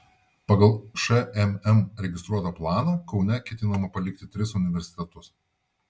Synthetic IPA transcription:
pɐɡɐlˠʃɛɛmɛmɾʲɛɡʲɪst̪ɾuɔt̪ɐplˠɑːnɐːkɒʊnʲɛkʲɛt̪ʲɪnɐmɐpɐlʲɪk̚t̪ʲɪt̪ʲɾʲɪsʊnʲɪʋʲɛɾʲsʲɪ̥t̪ʲɛt̪ʊs

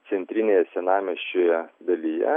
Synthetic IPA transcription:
sʲɛnʲt̪ʲɾʲɪnʲeːjɛsʲɛnɑːmʲɛʃʲt͡ʃʲoːjɛd̪ɐlʲijɛ̰

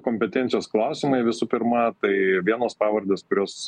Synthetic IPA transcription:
koːmʲpʲɛt̪ʲɛːnt̪ʲɪjoːsklˠɐʊsʲɪmɐɪʋʲɪsupʲɪɾmɐt̪ɐɪʋʲiɛnoːspɑːʋɐɾʲd̪ʲeːskʊɾʲoːs

